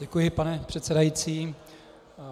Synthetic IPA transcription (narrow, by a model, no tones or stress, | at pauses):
ɛkujɪpanɛpr̝̥ɛt̪sɛdajit͡siː